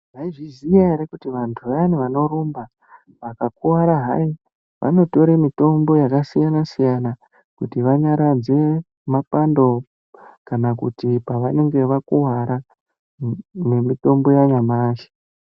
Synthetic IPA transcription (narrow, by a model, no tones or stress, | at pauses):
ʋaiʐizijaeɾekutiʋantʰuʋaniʋano̞ɾumba | ʋakakuwaɾaɦa̰i | ʋʔa̰no̞to̞ɾemito̞mbo̞jakasijanasijana | kutiʋaɲaɾad͡ze̞ | mapando̞ | kanakutipaʋaneŋɡe̞ʋakuwaɾa | nemito̞mbo̞jaɲamaːʃe̥